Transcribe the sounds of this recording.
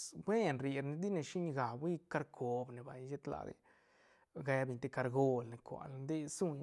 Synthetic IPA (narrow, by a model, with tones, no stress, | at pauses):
bwe˦nɾi˧ɾne˧d̪i˦ne˧ʃi˦ɲ˧ɡa˨bwi˦ka˧ɾkʰo˨bne˨ba˨jʃe˦t̪la̰˧d̪ḛ˧ | ɡe˧˦bi˧ɲt̪e˧ka˧ɾɡo˦˧lne˧kʷa̰˨lnd̪e˦su˦˧ɲ